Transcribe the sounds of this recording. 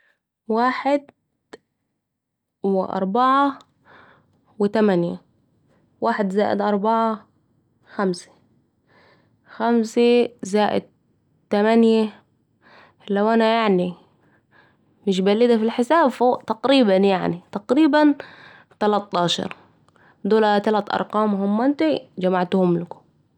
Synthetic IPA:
waːħɪd̪ | wɪʔɑ̰ɾˤbɑʕa | wɪt̪amanja̰ | waːħɪd̪zaːʔɪ̰d̪ʔɑɾˤbɑʕa | xamse̥ | xamsezaːʔɪ̰d̪̚ | t̪amanja | lawʔanajaʕni | mɪʃ̬balːɪd̪afilħɪsaːbfoːʔt̪ɑqɾiːbanjaʕnit̪ɑqɾiːban | t̪ɑlɑt̪ˤːɑːʃɑ̰ɾˤ | d̪oːlat̪alat̪ʔɑ̰ɾˤqɑːmɦʊmːant̪id͡ʒamaʕt̪uhʊmlakʊ̥

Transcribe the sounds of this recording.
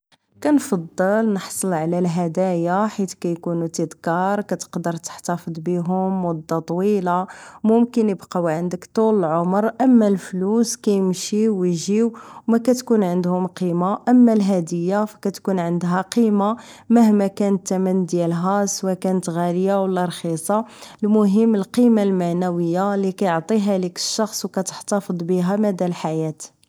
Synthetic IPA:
kænfɑd̪ˤːəlnəħsˤəlʕlælɦæd̪æjaħit̪kæjkunut̪əd̪kɑɾˤkæt̪ə̥qd̪əɾt̪ə̥ħt̪ɑfəd̪ˤbiɦʊmːʊd̪ːɑt̪ˤwilamʊmkənjəbqɑwʕənd̪əkt̪ˤuləlʕomɾʔəmːælfluskæjəmʃiwʒiwwmækæt̪kunʕənd̪hʊmqimaʔəmːælɦæd̪əjːafæ̥kæt̪kunʕənd̪ɦæqima | məhmækænət̪ːæmənːd̪jælɦæswækænət̪ɣæləjawəlːɑɾˤxisˤɑlmʊɦəmːəlqimalmaʕnæwəjːalikæjoʕt̪ˤiɦælikə̥ʃːɑxsˤwkæt̪ə̥ħt̪ɑfəd̪ˤbiɦæmæd̪ælħajæt̪

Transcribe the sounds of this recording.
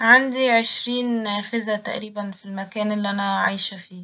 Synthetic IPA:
ʕand̪iʕeʃɾiːnfezæt̪æ̰ʔɾiːbænfilmækæːnʔelːiʔænæʕa̰jʃæfiː

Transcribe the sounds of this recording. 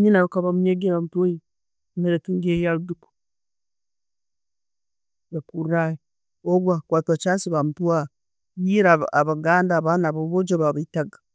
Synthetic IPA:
ɲinajukaβamuɲeɡiβamutaji | meɾetuŋɡejaluduku̥ | βakuraje | oβwakwaːtat͡ʃaːnsiβamtuwa | jiɾaaβaɡaːndaβanaβaβod͡ʒaβaβaitaɡḁ

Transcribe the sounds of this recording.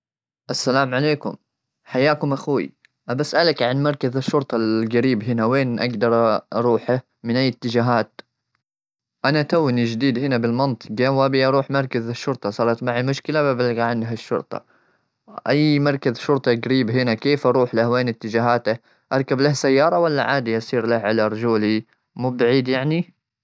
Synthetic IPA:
ʔasːalaːmʕaleːkʊ̰m | ħajaːkʊmʔaxwḭ | ʔabasʔalakʕanmɑɾˤkazaʃːʊɾˤt̪ˤɑlɡaɾiːbɦɪnaweːnʔa̰ɡd̪ɑɾˤʔɑɾˤuːħa | mɪnʔajːɪt̪ːɪd͡ʒaːɦaːt̪ | ʔanat̪awːɪnid͡ʒd̪iːd̪hɪnabɪlmɑnt̪ˤɨ̥qawaːbiʔɑɾˤuːħmɑɾˤkazaʃːʊɾˤt̪ˤɑsˤɑːɾˤɑt̪maʕamʊʃkɪlababalɡaʕɪnd̪ɦaʃːʊ̰ɾt̪ˤɑ̰ | ʔajːmɑɾˤkazʃʊɾt̪ˤɑɡaɾiːbɦɪnakeːfʔɑɾˤuːħlahweːnɪt̪ːɪd͡ʒaːɦaːt̪a | ʔɑɾˤkablahsajːɑːɾˤɑwalːa̰ʕaːd̪iʔɑsˤiːɾlahʕalaɾˤd͡ʒuːli | muːbaʕiːd̪jaʕni

